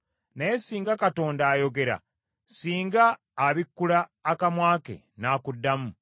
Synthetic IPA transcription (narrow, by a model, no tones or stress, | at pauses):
najesiːŋɡakato̞ːndaːjo̞ɡe̞ɾa̰ | siːŋɡaː | βikːulaːkamwaːkḛ | naːkudːamu